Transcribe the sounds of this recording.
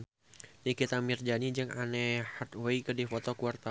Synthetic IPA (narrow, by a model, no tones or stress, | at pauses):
nikit̪amird͡ʒanid͡ʒɨŋanɛhart̪̚waikədifɔt̪ɔkuart̪a